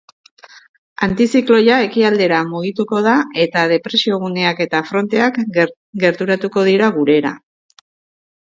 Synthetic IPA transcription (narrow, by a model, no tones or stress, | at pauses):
ant̪isiklo̞jae̞kiald̪e̞ɾamuɣ̞it̪uko̞ð̞ae̞t̪að̞e̞pɾe̞sio̞ɣ̞une̞ake̞t̪afɾo̞nt̪eak | ɡe̞ɾt̪uɾat̪uko̞ð̞iɾaɣuɾe̞ɾa̰